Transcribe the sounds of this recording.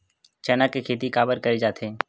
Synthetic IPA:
t͡ʃɛːnakekʰeːt̪̬ikaːbəɾkɐɾed͡ʒaːt̪ʰẽː

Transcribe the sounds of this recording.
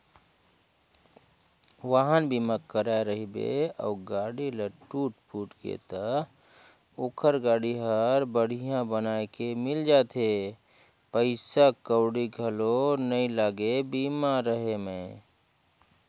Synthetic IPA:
ʋaɦənbimakəɾaeɾəɦibḛə̰ʊɡaɽiləʈuʈ̚puʈkḛt̪ə | okʰəɾɡaɽiɦəɾbəɽ̤ijãbənaekemɪld͡ʒat̪ʰe | pəɪsakəʊɽiɡʱəlonəilaːɡebimaɾəɦemẽ

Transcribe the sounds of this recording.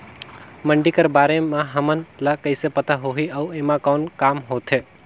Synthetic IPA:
məɳɖikəɾbaːɾemãɦəmənlakəɪsepət̪ʰaɦoɦiəueːmãkɔːnkaːmɦoːt̪ʰe

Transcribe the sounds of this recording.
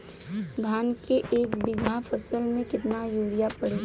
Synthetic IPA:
ɡʱaːnkeʔeːkbɪɡʱafʰəsəlmẽkɪt̪najuːɽijapɐɽe

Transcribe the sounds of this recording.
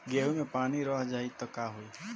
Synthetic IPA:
ɡeɦumepaːniɾɔɦd͡ʒait̪əkaɦoi

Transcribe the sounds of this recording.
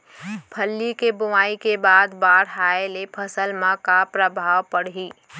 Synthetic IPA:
pʰəlːikebʊʋaːikebaːd̪baːɽɦaːelepʰəsəlmãkapɾəbʱaːʋpəɽɦiː

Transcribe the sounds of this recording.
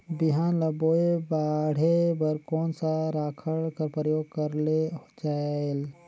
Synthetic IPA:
biɦanləboebaɽ̤ebəɾkɔːnsaɾaːkʰəɭkəɾpɾəjoːɡ̚kəɾled͡ʒael

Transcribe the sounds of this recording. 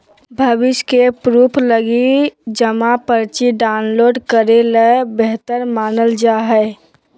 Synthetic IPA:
bʱəʋɪʃkepɾuːpʰləɡid͡ʒəmapəɾt͡ʃiɖaʊnloːɖkəɾelebeɦt̪əɾmaːnəld͡ʒaːɦɛ

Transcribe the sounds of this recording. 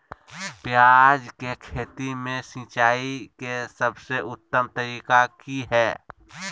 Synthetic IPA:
pjad͡ʒkekʰeːt̪imẽsĩːt͡ʃaːikesəbseʔʊt̪ːəmt̪əɾiːkakiɦɛː

